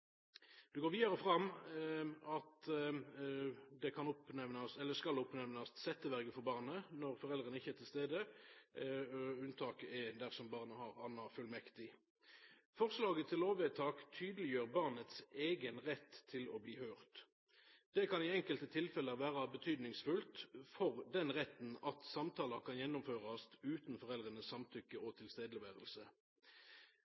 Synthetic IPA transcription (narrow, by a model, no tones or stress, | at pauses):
d̪̥ʉɡoːʁʋiːd̪ɑʁəfʁɑm | ɑt̪ | d̪ɛkʰɑnʊpnɛʋnɑsɛlːəskɑlʊpnɛʋnɑst̪sɛt̪ːəʋæʁɡəfɔʁbɑːʁnənɔʁfɔʁɛld̪ʁənəɪçːəæʁt̪ʰɪlst̪eːd̪ə | ʉnt̪ʰɑːkəɛd̪æʁsɔmbɑʁnəhɑʁɑnːɑfʉlmɛkt̪ɪ | fɔʁslɑːɡət̪ʰɪlːoːʋɛt̪ʰɑːkt̪ʰyːd̪əlɪjøːʁbɑʁnət̪seːɡənʁɛt̪ʰːɪlɔbliːhøːʁt̪ | d̪̥ɛkɑniːɛŋkəlt̪ət̪ʰɪlfɛləʋæːʁɑbət̪ʰyːd̪nɪŋsfʉlt̪fɔʁd̪ɛnʁɛt̪nɑt̪sɑmt̪ʰɑːlɑʁkɑnjɛnːʊmføːʁɑst̪ʉːt̪n̩fɔʁɛld̪ʁənəssɑmt̪ʰʏkːəʔɔt̪ʰɪlst̪eːd̪əlɛʋeːʁəlsə